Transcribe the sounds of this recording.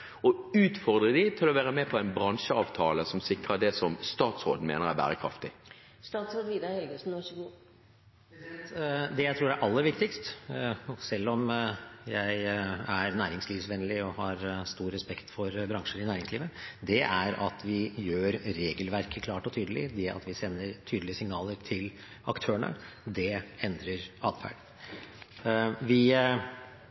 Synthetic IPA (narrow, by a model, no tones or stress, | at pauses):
ɔʉːt̪fɔʁd̪ʁəd̪ɪt̪ʰɪlɔʋæːɾəmɛpʰɔæɪnbɾɑŋʂəɑːʋt̪ʰɑːləsɔmsɪkɾəd̪ɛsɔmst̪ɑːt̪sɾoːd̪n̩mḛːnəʁæbæ̰ːɾəkʰɾɑ̰ft̪ɪ | st̪ɑːt̪sɾoːd̪ʋiːd̪ɑhɛlɡəsn̩ʋɑəɡuː | d̪ɛjæɪt̪ɾuːɖæʔɑlːəɾʋɪkt̪ɪkst̪ | sɛlːɔmjæɪæɾnæːɾɪŋsliːʋsʋɛnlɪɔhɑɾst̪uːɾɾɛspɛkt̪fɔɾbɾɑŋʂəɾɪnæːɾɪŋsliːʋəd̪ɛʔæɾɑt̪ʰʋɪjøːɾɾeːɡəlʋæɾkʰəkʰlɑːʈɔt̪ʰyːd̪əlɪ̰d̪ɛɑ̰t̪ʋɪsɛnːəɾt̪ʰyːd̪əlɪəsɪŋnɑːləɾʈʰɪl | ɑkt̪ʰøːəɳə̰ | d̪ɛɛnd̪ɾəɾɑːd̪fæ̰ːɖə | ʋɪ